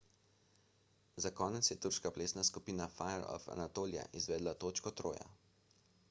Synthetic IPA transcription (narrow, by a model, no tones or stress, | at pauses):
zakɔːnɛt̪sjɛt̪uɾʃkapleːsnaskupiːnafajɛɾɔ̰fa̰nat̪oːlija̰ʔizʋɛːd̪lat̪oːt͡ʃkɔt̪ɾoːja̰